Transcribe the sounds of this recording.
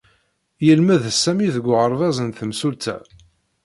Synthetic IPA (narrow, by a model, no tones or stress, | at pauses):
jəlməðsːæmiðəɡʷːʁəɾˤvæzˤənθəmsult̪æ̰